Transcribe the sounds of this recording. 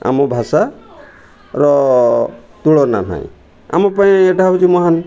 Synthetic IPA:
a̰mɔbʱasa | ɾɔ | t̪uɭɔna̰nʰã̰j̰̃ | a̰mɔp̬aj̃eʈʰaɦut͡ʃimɔɦan

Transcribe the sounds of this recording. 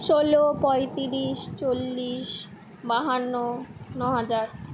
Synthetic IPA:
ʃolopɔjt̪iɾiʃt͡ɕolːiʃ | baɦanːonɔɦad͡ʑaɾ

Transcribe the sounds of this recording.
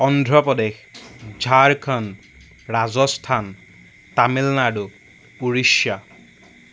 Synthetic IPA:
ɔndʱɹɔpɔdexd͡ʒʱaɹkʰan | ɹazɔstʰan | tamilnadʊ | uɹiʃja

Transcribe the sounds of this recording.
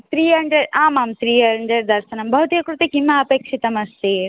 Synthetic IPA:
t̪ɾiːɐɳɖɐɾaːmaːmt̪ɾiːɐɳɖɐɾd̪ɐɾsɐnɐmbʱɐɦut̪iɐkɾut̪ekimaɐpeːkʂit̪ɐmɐst̪eː

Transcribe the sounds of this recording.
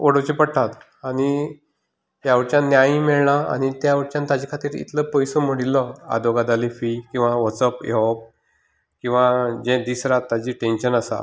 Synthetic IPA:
oɽəʋt͡ɕipəɽʈat̪ | aɽ̃i | t̪jaʋəɽt͡ɕjãnjaj̃meɭɳaa̰ɽ̃it̪jaʋəɽt͡ɕjãnt̪ad͡ʑikʰat̪iːɾḭt̪ləpɔjsəm̤əɽilːəa̰d̪oɡad̪alifikĩw̃ʋaʋɔt͡səpjɔp̚ | kĩw̃ʋad͡ʑed̪isɾat̪ːad͡ʑiːʈẽnɕənasa̰

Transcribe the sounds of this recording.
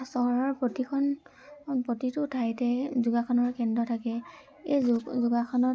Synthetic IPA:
sɔɦɔɹɔɹpɹɔtikʰɔn | pɹotitʊtʰajtɛzuɡakʰɔnɔɹkɛndɹɔtʰakɛ | ejzuɡakʰɔnɔ

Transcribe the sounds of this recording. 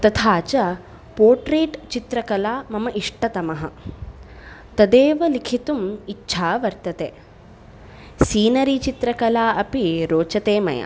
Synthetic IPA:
t̪ɐt̪ʰaːt͡ʃɐ | poːɾʈɾeːʈt͡ʃit̪ɾɐkɐlaːmɐmɐʔiʂʈɐt̪ɐmɐɦɐ̰̆ | t̪ɐd̪eːʋɐlikʰit̪umitːʃʰaːʋɐɾt̪ɐt̪ḛː | siːnɐɾit͡ʃit̪ɾɐkɐlaːʔɐpiɾoːt͡ʃɐt̪eːmɐ̰jɐ̰

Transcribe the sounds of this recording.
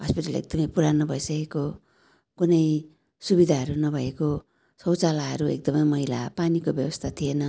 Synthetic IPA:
ɦʌspiʈalḛk̚d̪ʌmʌjpuɾanʌbʱʌjsʌkeko | kunʌj | subid̪ʱaɦʌɾunʌbʱʌeko | sʌwt͡salaɦʌɾuḛk̚d̪ʌmʌjmʌɦila̰panikobjʌbʌst̪ʰat̪ʰienʌ

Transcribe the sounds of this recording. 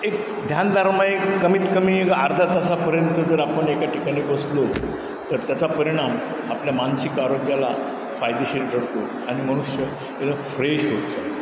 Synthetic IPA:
ek̚ | d̪ʱjand̪ʱaɾmajekːəmiːt̪kəmiaɾd̪ʱat̪asapəɾjənt̪əd͡zəɾapəɳekaʈʰikaɽ̃ikəslo | t̪əɾt̪jat͡sapəɾiɽ̃am | apljamansikaɾoɡjala | fajd̪eɕeʈɖʱəɽt̪o | aɽ̃iməɽ̃uɕjə | ed̪əfɾeɕɦot̪d͡za

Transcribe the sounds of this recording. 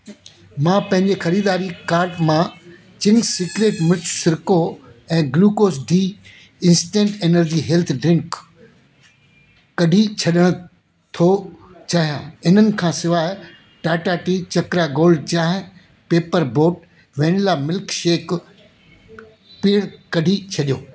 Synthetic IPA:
mãːpɐ̃ɦɪ̃ɲd͡ʑexɐɾiːd̪aːɾikaːɾʈmãː | t͡ɕɪ̃ŋɡsɪkɾeːʈmʊt͡ɕʰsɪɾkoɛ̃ːɡluːkoːsɖʱiː | ɪ̃nsʈẽːʈeːnəɾd͡ʑiːɦeːlt̪ʰɖɾɪ̃ŋk | ɐɖʱit͡ɕʰɐɗəɽ̃ | t̪ʰo | t͡ɕaːɦijã̰ːɪn̤ənɪ̆kʰãːsɪʋaːɪ | ʈaːʈaʈit͡ɕɐkɾaɡoːlɖ̚t͡ɕãːɦɪ̃ | peːpəɾboːʈ̚ | ʋeːnlamɪlkʃeːk | piəɽ̃kɐɖʱit͡ɕʰɐɗijoː

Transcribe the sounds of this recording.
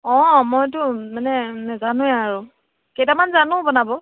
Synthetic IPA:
ɔ̃mɔjtʊmanɛnɛzanʊ̃ɛaɹʊ | kejtamanzanʊ̃bɔnabɔ

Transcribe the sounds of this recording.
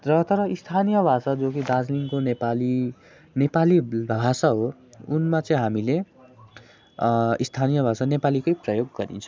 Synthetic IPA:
rʌt̪ʌɾʌist̪ʰanijʌbʱasad͡zokid̪ad͡zliŋkonepali | nepalibʱbʱasaɦo | unmat͡sʌĩɦamile | ist̪ʰanijʌbʱasanepalikʌjprʌjoɡːʌɾḭnt͡sʰʌ̃

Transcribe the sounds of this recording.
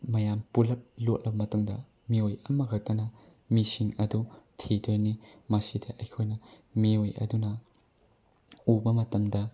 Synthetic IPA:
mɐjampulɐp̚lot̚lɐbɐmɐtuŋdɐ | miojɐmɐɡʰʱɐk̚tɐnɐ | misiŋɐdutʰidojnimɐsidɐʔɐjkʰojnɐ | miojʔɐ̰dunɐ | ubɐmɐtɐmdɐ

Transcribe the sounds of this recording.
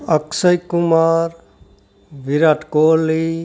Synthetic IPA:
əksəjkumaːɾ | ʋiɾaʈkoli

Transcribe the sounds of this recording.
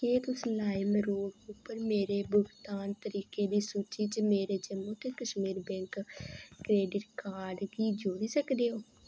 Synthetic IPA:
eːt̪ʊslaːɪmɾoːɡʊpːəɾmeːɾeːbʊɡt̪aːnt̪əɾiːkeːd̪iːsuːt͡ʃiːt͡ʃəmeːɾeːd͡ʒəmõːt̪eːkəʃmiːɾbɛ̃ːŋkkɾeːɖɪʈkaːɾɖɡiːd͡ʒoːɽiːsəkd̪eːɦoː

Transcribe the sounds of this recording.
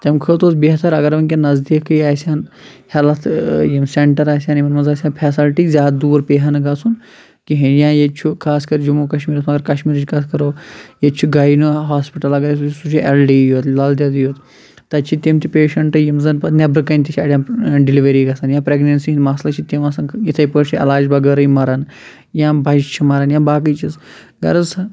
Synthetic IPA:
t̪ɐmkʰɨːt̪oːsbiɦɐt̪ʰɐɾɐɡɐɾʋɐnkʲenɐzd̪ikɐjaːjsʲaːn | hɛlɐt̪ʰjimseɳʈɐɾaːsʲjãːnimɐnmɐzaːsʲjãːpʰɛːsɐlʈizʲaːd̪d̪uːɾpeːɦɐnɨɡɐsun | kiɦɐnjãːjet͡ʃʰukʰaːskɐɾd͡ʒumuːkɐʃmiːɾɐsuɐɡɐɾkɐʃmiːɾt͡ʃʰikɐskɐɾoːjet͡ʃʰuɡɐinuɦaːspiʈɐlɐɡɐɾsut͡ʃisut͡ʃʰielɖiːjoːt̪lɐld̪ʲad̪joːt̪ | t̪ɐt͡ʃʰit̪ʲemt̪ipeːʃɐɳʈɨjimzɐnpɐnebɾɨkɐnʲt̪ʲit͡ʃʰʲaːɖʲjãːɖiliʋɐɾiːɡɐsɐnjãːpɾeɡnɐnsimaːslɐt͡ʃʰit̪emɐsɐnjit̪ʰɐjpəɾt͡ʃʰiɐ̰laːd͡ʒbɐɡɐɾɐjimɐɾɐn | jãːbɐd͡ʒt͡ʃʰimɐɾɐnjãːbaːkɐjt͡ʃʰis | ɡɐ̰ɾɐzs

